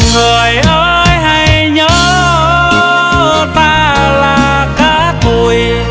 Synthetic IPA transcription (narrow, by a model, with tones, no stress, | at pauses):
ŋɨ˨˩əjʔəː˧ | jɦa˧jɲɔ˨˦˧ | t̪aː˧ | laː˨˩ | kaː˨˦ | t̪u˨˩j